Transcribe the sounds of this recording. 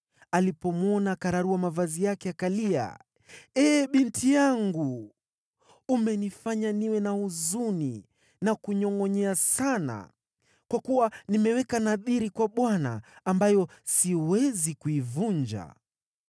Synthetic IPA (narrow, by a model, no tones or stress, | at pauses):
alipɔmwɔnakaɾaɾuamavazijakɛakalia̰ | ɛːɓintʰijaŋɡu | umɛnifaɲaniwɛnauzuni | nakuɲɔŋɔɲɛasana̰ | kwakuwanimɛwɛkanaðiɾikwaɓwana̰ːmbajɔsiwɛzikuivuɲd͡ʒa̰